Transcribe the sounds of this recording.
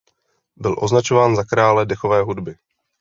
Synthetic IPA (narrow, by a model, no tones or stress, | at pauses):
bɪlʔo̞znat͡ʃovaːnzakɾaːlɛdɛxovɛːɦudbɪ